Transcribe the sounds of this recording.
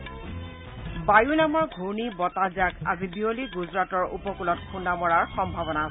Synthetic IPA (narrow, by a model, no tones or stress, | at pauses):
bajunamɔɹɡʱuɹnibɔtazaka̰zibioliɡuzɹatɔɹʔṵpɔkulɔt̚kʰundamɔɹaɹxɔmbʱabɔna